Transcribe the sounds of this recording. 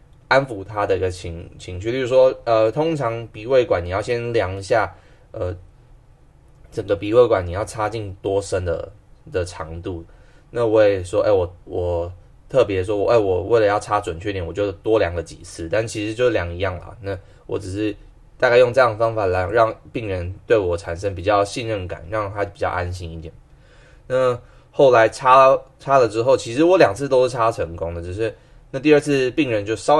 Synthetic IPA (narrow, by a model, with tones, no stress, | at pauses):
a˥nfu˨˧t̪ʰa˥d̪ə˨i˧˥ɡə˧t͡ɕʰi˧˥ŋt͡ɕʰi˧˥ŋʰy˥˩t͡ɕy˥˩u˥ʂwɔ˥ə˧t̪ʰo˥ŋʈ͡ʂʰɑ˧˥ŋpi˨˥we˥˩ɪkwa˨˦ni˨˩jɑ˥˩ʊɕjɛ˥nljɑ˧˥ŋ˧ɕja˥˩ | ə˧ | ʈ͡ʂə˨˩ŋɡə˦pi˨˥we˥˩ɪkwa˨˩˦ni˨˩jɑ˥˩ʊʈ͡ʂʰa˥t͡ɕi˥˩ŋt̪wɔ˥ʂə˥nd̪ə̰˨d̪ə˨ʈ͡ʂʰɑ˧˥ŋt̪u˥˩ | na˥˧we˥˩ɪʂwɔ˥ʔḛ˥˩ɪwɔ˨˩wɔ˨˩ | t̪ʰɤ˥˩p̬jɛ˧˥ʂwɔ˥wɔ˨˩ʔe˥˩ɪwɔ˨˩we˥˩ɪlə˨˦jɑ˥˩ʊʈ͡ʂʰa˥ʈ͡ʂwə˨˩nt͡ɕʰy˥˩t̪jɛ˨˦nwɔ˨˩t͡ɕjo˥ʊ˩t̪wɔ˥ljɑ˨˩ŋɡə˦t͡ɕḭ˨˩t͡sʰɹ̩˥˩t̪a˥˧nt͡ɕʰi˧˥ʂɻ̩˧˦t͡ɕjʂ̩˥˩ljɑ˧˥ŋi˧˦jɑ˥˩ŋlɐ̰˨˩na˥˩ | wɔ̰˨˩˥ʈ͡ʂɻ̩˨˩ʂɻ̩˥˧ | t̪a˥˧ka˥˧jo˥˧ŋʈ͡ʂɤ˥˧jɑ˥ŋd̪ə˩fɑ˥ŋfa˨˩la˧˥ɪɻɑ˥˨ŋpi˥˩ŋɻə˧˦nt̪we˥˩ɪwɔ˨˩ʈ͡ʂʰa˨˩nʂə˧˥ŋpi˨˩t͡ɕjɑ˥˧ʊɕi˥˧nɻə˥˩nka̰˨˩˦nɻɑ˥˩ŋt̪ʰa˥pi˨˩t͡ɕjɑ̰˥˧ʊʔa˦nɕ̬i˥ni˧˥t̪jɛ̰˨˩˦n | na˥˩ | xo˥˩ʊla˧˥ɪʈ͡ʂʰa˥ʈ͡ʂʰa˥lə˨ʈ͡ʂɻ̩˥xo˥˩ʊt͡ɕʰi˧˥ʂɻ̩˧˥wɔ˧˥ljɑ˨˩ŋt͡sʰɹ̩˥˩t̪o˥ʊʂɻ̩˥˩ʈ͡ʂʰa˥˨ʈ͡ʂʰɤ˧˥ŋko˥ŋd̪ə˨˩ʈ͡ʂ̩˨˩ʂɻ̩˥˧ | na˥˧t̪̬i˥˧ə˥˧t͡sʰɹ̩˥˧pi˥˩ŋɻə˧˦nt͡ɕjo˥˧ʊʂɑ˥ʊ